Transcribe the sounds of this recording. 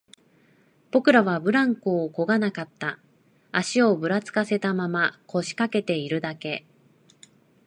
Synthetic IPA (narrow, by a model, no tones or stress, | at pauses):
b̥o̞kɯ̟ɾaβabɯ̟ɾãŋkoːko̞ɡanakat̪ːa | aɕio̞bɯ̟ɾat͡sɨ̥kase̞t̪amamakʰo̞ɕi̥kake̞t̪e̞iɾɯ̟d̪ake̞